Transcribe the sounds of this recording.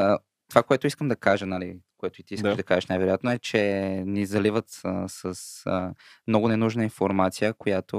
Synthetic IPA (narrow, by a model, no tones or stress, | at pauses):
t̪ovakoɛt̪ʊiskəmd̪ɐkaʒənəlḭkoɛt̪ʊit̪iisk̪ɐʒd̪ɐkaʒəʃnajvɛɾojat̪noɛt͡ʃɛnizɐlivət̪əsəs | mnɔɡʊnɛnuʒnəinfoɾmat̪sijəkojat̪o